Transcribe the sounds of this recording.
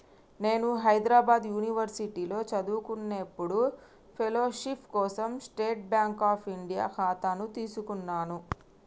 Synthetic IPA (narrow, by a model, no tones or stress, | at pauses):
ne̞ːnuɦɐjd̪ɾaːbaːd̪juːniʋɐɾsiʈiːlo̞ːt͡ʃɐd̪uːkunːepːuɽu | pʰelo̞ːʃipʰkɔːsɐmsʈeːʈ̚bjaːŋkaːpʰiɳɖija̰ːkʰaːt̪anut̪iːsukunːaːnu